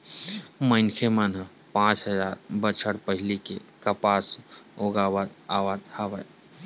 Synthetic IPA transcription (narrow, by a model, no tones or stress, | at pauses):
mənkʰemənɦə̃ | pãt͡ʃɦəd͡ʒaɾbət͡ʃʰəɽpəɦilikekəpasoɡawət̪aʋat̪habəj